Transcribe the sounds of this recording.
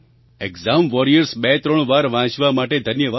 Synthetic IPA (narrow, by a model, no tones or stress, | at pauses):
eɡzamʋɔɾijəɾsbɛt̪ɾəɳ̃ʋaɾʋãt͡ʃʋamaʈed̪ʱənjəʋa